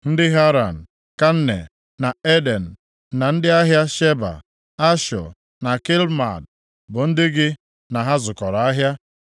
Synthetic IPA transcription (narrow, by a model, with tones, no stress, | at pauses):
n̩˦dɪ˦ɦa˦ɾa̰˨n̩˨ | ka˦n̩˦ne˨ | na˨e˦de˨n̩˨ | na˨n̩˦dɪ˦a˦ɦja˦ʃe˦ba̰˨ | a˦ʃɔ̰˨ | na˨ki˦lma̰˨d | bʊ˨n̩˦dɪ˦ɡɪ˦ | na˨ɦa˦zʊ˨kɔ˨ɾa˨a˦ɦja˦